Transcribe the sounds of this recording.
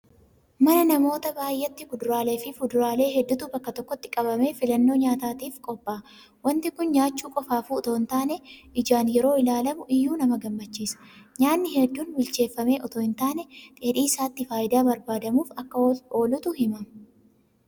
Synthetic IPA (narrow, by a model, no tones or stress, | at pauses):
mɐnɐnɐmo̞ːt̪ɐbaːjʔɛt̪ːɪkʊd̪ʊɾaːle̞ːfɪfʊd̪ʊɾaːle̞ːɦɛd̪ːʊt̪ʊbɐkːɐt̪ɔkːɔt̪ːɪ̥kʼɐbɐme̞ːfɪlɐnːo̞ːɲaːt̪aːt̪iːfkʼɔbːaː | wɐnt̪ɪkʊnɲaːt͡ʃːuːkʼɔfaːfuːɔt̪oːnt̪aːnɛʔɪd͡ʒaːnjɛɾoːɪlaːlɐmʊʔɪjːuːnɐmɐɡɐmːɐt͡ʃːiːsɐ̥ɲaːnːɪhɛd̪ːuːnbɪlt͡ʃe̞ːfːɐme̞ːʔɔt̪oːɪnt̪aːnɛt̪ʼeːᶑiːsaːt̪ːɪfaːjɪd̪aːbɐɾbaːd̪ɐmuːfɐkːɐo̞ːlʊt̪ʊhɪmɐm